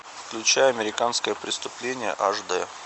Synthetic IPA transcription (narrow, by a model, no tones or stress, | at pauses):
fklʲʉt͡ɕæjəɐmʲɪɾʲɪkanskəjəpɾʲɪst̪ʊplʲenʲɪjə̰ʔaʐd̪ɛ